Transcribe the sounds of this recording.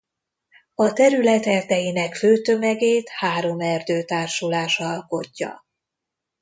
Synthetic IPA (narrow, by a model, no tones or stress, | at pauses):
ɒt̪ɛɾylɛt̪ɛrd̪ɛjinɛkføːt̪ø̞mɛɡeːt̪haːɾo̞mɛrd̪øːt̪aːrʃulaːʃɒɒlko̞cːɒ̰